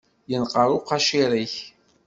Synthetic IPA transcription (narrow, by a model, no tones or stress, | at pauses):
jənqəɾʊqːɑʃiɾiç